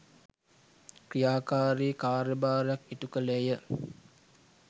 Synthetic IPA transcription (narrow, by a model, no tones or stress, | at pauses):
krijaːkaːɾiːkaːɾəbaːɾjakit̪ukəlejə